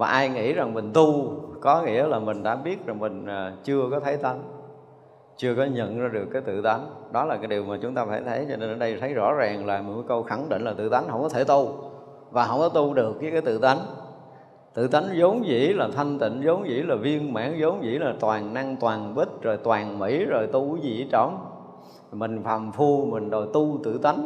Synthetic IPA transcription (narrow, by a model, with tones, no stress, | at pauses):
vaː˨˩ʔaː˧jŋḭ˧˥za˨˩ŋmï˨˩ŋ̟t̪u˧kɔ˨˦ŋḭ˧˥əlaː˨˩mï˨˩ŋ̟ɗa̰ː˧˥ɓi˦˥ət̚za˨˩ŋmï˨˩ŋ̟aː˨˩t͡ɕɨ˧əkɔ˨˦t̪ʰə˨˦jt̪a˨˦ŋ | t͡ɕɨ˧əkɔ˨˦ɲə̰˧˨nzaː˧ɗɨ˨˩əkːaː˨˦jt̪ɨ̰˧˨t̪a˨˦jŋɗɔ˨˦laː˨˩kaː˨˦jɗi˨˩əwmaː˨˩t͡ɕʊ˨˦ŋ͡mt̪aː˧faː˧˩jt̪ʰə˨˦jt͡ɕɔ˧ne˧nʔəː˧ɗə˧jt̪ʰə˨˦jzɔ̰˧˥zaː˨˩ŋlaː˨˩mï˨˩məː˨˦jkə˧wxa˧˩ŋɗḭ˧˨ŋ̟laː˨˩t̪ɨ̰˧˨˩t̪a˨˦n̟hə˧˩wŋ͡mkɔ˨˦t̪ʰe˧˩t̪u˧ | vaː˨˩ɦə̰˧˩wŋ͡mkɔ˨˦t̪u˧ɗɨ˨˩əkːaː˨˦jkaː˨˦jt̪ɨ̰˧˨t̪a˨˦jŋ | t̪ɨ̰˧˨t̪a˨˦jŋzə˨˦wŋ͡mzḭ˧˥laː˨˩t̪ʰa˧jŋ̟t̪ḭ˧˨ŋ̟zo˨˦wŋ͡mzḭ˧˥laː˨˩vi˧əŋma̰ː˧˥ŋzo˨˦wŋ͡mzḭ˧˥laː˨˩t̪waː˨˩ŋna˧ŋt̪waː˨˩nɓi˦˥t̚zo˨˩jt̪waː˨˩nmḭ˧˥zo˨˩jt̪u˧zḭ˧˩˥t͡ɕə˧˩wŋ͡m | mï˨˩ŋ̟faː˨˩mfu˧mï˨˩ŋ̟zo˨˩jt̪u˧t̪ɨ̰˧˨t̪a˨˦jŋ